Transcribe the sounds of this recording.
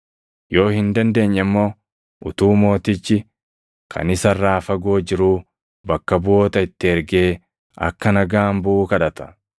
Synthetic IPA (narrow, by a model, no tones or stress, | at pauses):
jo̞ːhɪnd̪ɐnd̪e̞ːɲːɛmːo̞ː | ʊt̪uːmo̞ːt̪ɪt͡ʃːɪ | kʰɐ̰nɪsɐrːaːfɐɡo̞ːd͡ʒɪɾuː | bɐkːɐbʊo̞ːt̪ɐɪt̪ːɪɛɾɡe̞ː | ɐ̰kːɐnɐɡaːmbʊʔuːkɐᶑɐt̪ɐ̥